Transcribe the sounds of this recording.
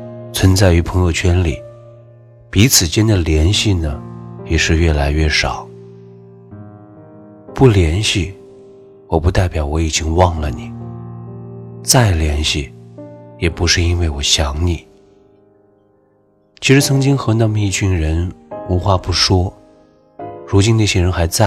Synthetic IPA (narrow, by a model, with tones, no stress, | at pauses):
t͡sʰwə˧˥nt͡sa˥˩ɪy˧˥pʰɤ˧˥ŋjo˥˧ʊt͡ɕʰɥɛ˥nli˨˩˦ | pi˧˥t͡sʰɹ̩˨˩t͡ɕjɛ˥nd̪ə˨ljɛ˧˥nɕi˥˩nə˩jɛ˨˩ʂɻ̩˥˧ɥɛ˥˩la˧˥ɪɥɛ˥˩ʂɑ˨˩˦ʊ | pu˥˩ljɛ˧˥nɕi˥˩ | wɔ˨˩pu˧˥t̪a˥˩ɪpjɑ˨˩˥ʊwɔ˧˥i˨˩t͡ɕi˥ŋwɑ˥˩ŋlə˨˩ni˨˩˦ | t͡sa˥˩ɪljɛ˧˥nɕi˥˩jɛ˨˩pu˧˥ʂɻ̩˥˧i˥nwe˥˩ɪwɔ˨˩ɕjɑ˧˥ŋni˨˩˦ | t͡ɕʰi˧˥ʂɻ̩˧˥t͡sʰɤ˧˥ŋt͡ɕi˥ŋxɤ˧˥na˥˩mə˧i˥˩t͡ɕʰy˥˩nɻə˧˥nu˧˥xwa˥˧pu˥˩ʂwɔ˥ | ɻu˧˥t͡ɕi˥nna˥˩ɕjɛ˥ɻə˧˥nxa˧˥ɪt͡sa˥˩